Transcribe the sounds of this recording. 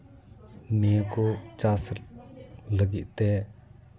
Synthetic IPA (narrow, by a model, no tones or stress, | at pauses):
niəkut͡ʃas | ləɡit̪̚t̪ɛ